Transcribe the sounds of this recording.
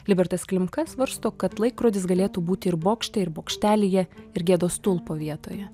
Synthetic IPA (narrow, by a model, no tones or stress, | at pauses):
lʲɪbʲɛɾt̪ɐsklʲɪmkɐsʋɐɾst̪oːkɐt̪lˠɐɪkːɾoːd̪ʲɪsɡɐlʲeːt̪uːbuːt̪ʲɪɪɾboːkʃʲt̪ʲɛɪɾboːkʃʲt̪ʲæːlʲɪjɛɪɾɡʲeːd̪oːst̪ʊlˠpoːʋʲiɛt̪oːjɛ